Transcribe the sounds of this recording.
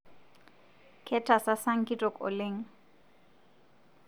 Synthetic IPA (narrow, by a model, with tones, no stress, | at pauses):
kʰɛtʰa˨sa˦sa˦ŋ̩˦kʼi˦tʼɔ˨kʼɔ̰˨leː˦ŋ̩˦